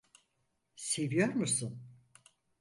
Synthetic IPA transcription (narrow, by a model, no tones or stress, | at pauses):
se̞vijoɾmusun